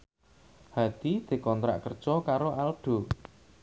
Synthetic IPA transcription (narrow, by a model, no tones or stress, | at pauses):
had̪̥id̪̥e̤kɔnt̪ɾa̰ʔkərd̥ʒ̥ɔkaɾoʔalɖ̥o̤